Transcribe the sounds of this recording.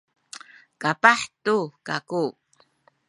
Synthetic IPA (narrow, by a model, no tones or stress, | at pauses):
kapaħtukaku